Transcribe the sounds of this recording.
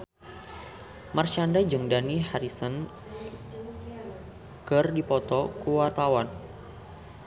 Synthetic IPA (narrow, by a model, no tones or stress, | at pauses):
marʃandad͡ʒəŋdanihaɾisən | kɨrdipɔt̪ɔkuwart̪awan